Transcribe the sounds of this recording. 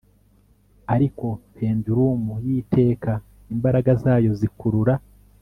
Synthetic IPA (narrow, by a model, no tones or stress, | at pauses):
aɾiko̞pe̞ːnduɾumujiːtʰe̞ːka | imbaɾaɡazaːjo̞zikuɾuɾa